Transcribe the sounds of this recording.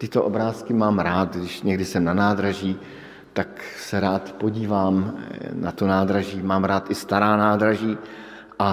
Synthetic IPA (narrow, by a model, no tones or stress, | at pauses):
t̪ɪt̪oʔo̞bɾaːskɪmaːmɾaːt̪ɡdɪʃɲɛɡdɪsɛmnanaːd̪ɾaʒiː | t̪aksɛɾaːt̪po̞ɟiːvaːmnat̪onaːd̪ɾaʒiːmaːmɾaːt̪ʔɪst̪aɾaːnaːd̪ɾaʒiː | ʔa